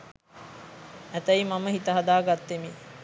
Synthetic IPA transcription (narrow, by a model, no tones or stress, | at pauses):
æt̪ɐjmaməɦit̪əɦɐd̪aːɡat̪ːemi